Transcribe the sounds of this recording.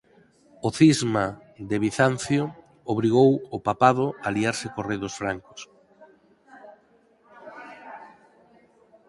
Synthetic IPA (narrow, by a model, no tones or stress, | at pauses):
oθizma | d̪eβiθan̟θjo | oβɾiɣowʊpapað̞ʊaliaɾsɪkoreðʊsfɾaŋkʊ̥s